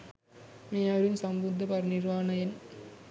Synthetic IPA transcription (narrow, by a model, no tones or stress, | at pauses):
meːaɐɾɯmsɐmbund̪ɐpɐɾnɪɾʋaːnɐjɐn